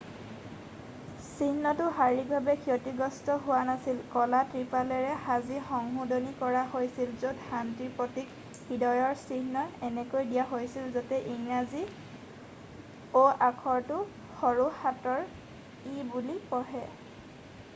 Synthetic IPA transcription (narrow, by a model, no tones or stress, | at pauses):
siɦnɔtʊɦaɹibʱabɛkʰiɔtiɡɔstɔɦʊwanasilkɔlatɹipalɛɹɛhazixɔŋɦudɔnikɔɹaɦojsilzodhantiɹpɔtik | hidɔjɔɹsiɦnɔɛnɛkojdijaɦojsilzatɛʔiŋlazi | oakʰɔɹtʊ | xɔɹuhatɔɹ | ibulipɔɦɛ